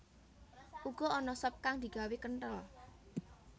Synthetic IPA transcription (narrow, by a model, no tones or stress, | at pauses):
ʔuɡ̥ɔ̤ɔnɔsɔp̚kaŋd̪̥i̤ɡ̥a̤wekəɳʈəl